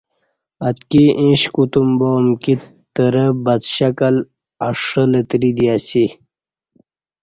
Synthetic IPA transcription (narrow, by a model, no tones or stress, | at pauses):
ɐt̪kiʔĩɕkut̪umboːmki | t̪əɾəbɐt͡sɕɐkɐl | aʂələt̪ɾid̪ijasi